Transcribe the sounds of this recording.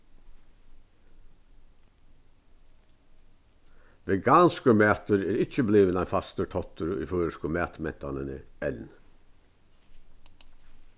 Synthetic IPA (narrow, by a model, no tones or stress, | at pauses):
ʋɛɡaːnskəmæːt̪əɾɛːɾɪt͡ʃːəbliːʋənaɪfast̪əʈʰɔt̪ʏɾḭføːɾəskʊmæːt̪mɛ̰nt̪a̰nɪnə̰ɛln